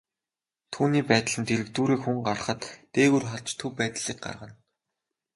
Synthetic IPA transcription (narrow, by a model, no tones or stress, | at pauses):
t̪ʰuːniːpæːt̪ə̆ɮɘ̆nt̪eɾɘ̆kt̪uːɾeːkxuŋɢar̆χə̆t̪ːeːɣurχaɮt͡ɕt̪ʰɵpæːt̪ɮiːk̚ɢa̰rʁə̆n